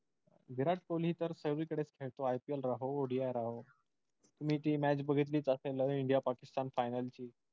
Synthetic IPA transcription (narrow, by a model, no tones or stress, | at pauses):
ɡʱiɾaʈ̚kolɦiːt̪əɾsəɡʋiːkəɽet͡skʰeɭt̪oajpielɾaɦoːɽiajɾaɦo | t̪um̤iːʈiːmæt͡ɕbəɡʱit̪̬liːt͡səseləiɳɖijapakist̪anfajnəlt͡ɕiː